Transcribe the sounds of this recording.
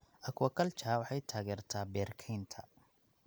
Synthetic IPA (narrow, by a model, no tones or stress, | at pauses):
ʔɐkʰwɐkʰɐlt͡ʃʰaːwɑħɑjt̪ʰaːɣɛːrt̪ʰaːbɛːrkʰɛjnt̪ʰɐ̰